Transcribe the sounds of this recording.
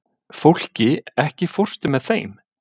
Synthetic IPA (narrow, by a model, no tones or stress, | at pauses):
fowl̥cɪɛhcɪfɔr̥st̪ʏmɛðθḛjm